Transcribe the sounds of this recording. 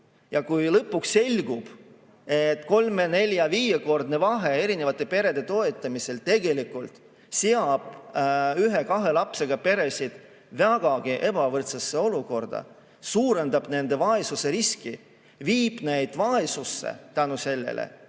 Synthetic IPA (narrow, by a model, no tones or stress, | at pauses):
jɑkujlɤpːˑuksːe̞lʲɡ̥ub̥ | e̞t̪ːˑko̞lme̞ne̞lʲjɑviːjeko̞rd̪̚ne̞vɑɦe̞e̞ɾine̞vɑt̪ˑːe̞pe̞ɾe̞d̪̥et̪o̞e̞t̪ːˑɑmise̞lt̪e̞ɡe̞likult̪ˑ | seɑb̥yɦe̞kɑɦe̞lɑpse̞ɡ̥ɑpe̞ɾe̞sʲid̪̥ | væɡ̥ɑɡ̥iʔe̞bɑvɤrt̪sesːe̞o̞luko̞rd̪̥ɑ̰ | suːɾe̞nd̪ɑb̥ne̞nd̪e̞vɑesuse̞ɾiski | viːb̥ne̞jd̪̥vɑesusːḛt̪ænuse̞lːḛlʔḛ